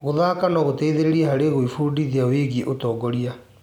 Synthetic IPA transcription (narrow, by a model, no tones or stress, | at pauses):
ɣoðakanɔɣotɛiðeɾeɾiɛɦaɾeɣoifuːdiðiaweːɣiʔotɔːɡɔɾia